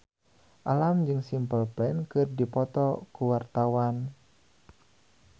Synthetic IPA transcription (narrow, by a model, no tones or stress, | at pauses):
ʔalamd͡ʒɨŋsimpəlplɛnkɨrdipɔt̪ɔkuwart̪awan